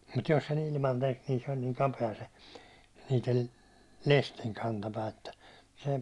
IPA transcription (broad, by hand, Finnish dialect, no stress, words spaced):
mut jos sen ilmɑn tek niːn se olʲ niːŋ kɑpeɑ se niːtel lestiŋ kɑntɑpæː etːæ se